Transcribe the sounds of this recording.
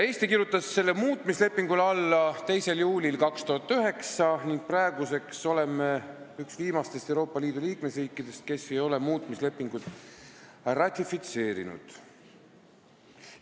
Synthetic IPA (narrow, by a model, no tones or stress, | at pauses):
e̞ːst̪ikiɾjut̪ːˑɑsːe̞lːemuːt̪ˑmisle̞pːˑiŋɡulɑlːɑt̪e̞jse̞ljuːlilkɑkst̪uhɑt̪ːˑyɦe̞ksɑniŋɡ̥̚prɑeɡuse̞kso̞le̞meyksviːmɑst̪est̪e̞wɾo̞ːpːˑɑliːd̪̥uliːkme̞sriːkːˑid̪̥e̞st̪̚ke̞se̞jo̞le̞muːt̪ˑmisle̞pːˑiŋɡ̥ud̪̥ | rɑt̪ʲˑːifit̪se̞ːɾḭnṵd̪̥